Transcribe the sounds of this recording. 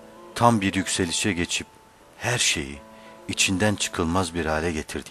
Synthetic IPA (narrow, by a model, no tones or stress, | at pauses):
t̪ʰambiɾjycse̞lʲiʃɛɟe̞t͡ʃʰip̚ | hæɾʃe̞̰jiːt͡ʃʰind̪ænt͡ʃʰɯ̥kʰɯlˠmazbiɾaːlʲɛɟe̞t̪ʰiɾd̪i